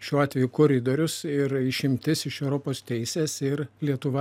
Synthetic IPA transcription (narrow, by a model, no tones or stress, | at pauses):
ʃʲuːɑːt̪ʲʋʲɛjʊkoːɾʲɪd̪oːɾʲʊsɪɾɪʃʲɪmʲt̪ʲɪsɪʃɛʊɾoːpoːst̪ʲɛɪsʲeːsɪɾlʲiɛt̪ʊʋɐ